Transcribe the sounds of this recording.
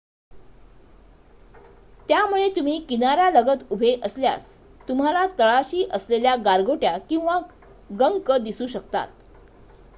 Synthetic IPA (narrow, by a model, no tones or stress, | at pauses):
t̪jamuɭet̪um̤iːkinaɾjaləɡət̪ubʱeʔəslja̰s | t̪um̤alat̪əɭaɕiːʔəsleljaɡaɾɡoʈjakĩw̃ʋa | ɡəŋkəd̪isuːɕəkt̪a̰t̪̚